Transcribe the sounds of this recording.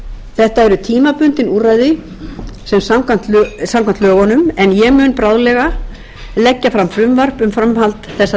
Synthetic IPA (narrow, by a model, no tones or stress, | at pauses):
θɛht̪aɛɾʏt̪ʰiːmapʏnt̪ɪnurajðɪ | sɛmsamkant̪samkʰant̪œːɣɔnʏmɛnjɛɣmʏːnpɾawðlɛɣa | lɛcːafɾamfɾʏmvar̥pʏmfɾamhalt̪θɛsːa